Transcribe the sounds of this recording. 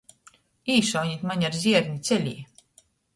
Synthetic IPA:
iːʃɔwɲit̪ʲmaɲaɾzʲiɛɾɲit̪sʲɛlʲḭː

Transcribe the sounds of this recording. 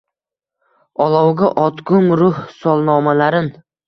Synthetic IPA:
ɒlˠɒwɡʲaʔɒt̪ɡʊmɾʊhsɒlˠnɒmalaɾɪn

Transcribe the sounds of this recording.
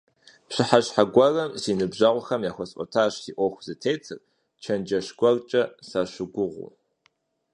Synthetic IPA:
ɕɨħaɕħaɡʷɔrɐmsiːnɨbʑɐʁʷʊxɐmjaːxʷɐsʼɔ̰tʰaːɕsiʔʷɔxʷz̥ɨtʰeːt͡sʰɨr | t͡ʃʰɐnd͡ʒɐɕɡ̥ʷɐrt͡ʃʼɐsaɕʷʊɡʷʊʁʷṵ

